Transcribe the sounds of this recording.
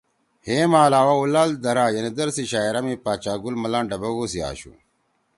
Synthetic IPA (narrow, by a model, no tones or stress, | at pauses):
heːmaːlaːwaulaːld̪ɐɾaːjɐnid̪ɐɾsiɕaːiɾɐmipaːt͡ɕaːɡulmɐlãːɳɖɐbɐɡosia̰ːɕṵ